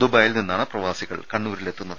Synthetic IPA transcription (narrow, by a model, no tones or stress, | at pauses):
d̪ubaːjilninːaːɳɨprɐʋaːsiɣɐ̰ɭkɐɳːuːɾile̞t̪ːunːɐðɨ